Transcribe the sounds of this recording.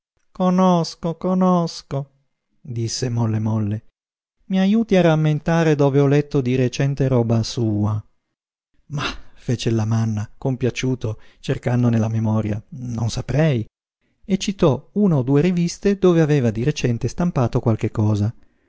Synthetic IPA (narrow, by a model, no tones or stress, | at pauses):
konoskokonosko | d̪isːemɔlːemɔlːe | miajuːt̪iaramːent̪aːɾed̪oːveɔlɛt̪ːod̪iɾet͡ʃɛnt̪eɾɔːbasuːa | mafeːt͡ʃelamanːakompjat͡ʃuːt̪ot͡ʃerkand̪onelːamemɔːɾja̰nonsapɾɛj | et͡ʃːit̪ɔuːnaod̪ːuːeɾivist̪ed̪oːveaveːvad̪iɾet͡ʃɛnt̪est̪ampaːt̪okwalk̟ekːɔːza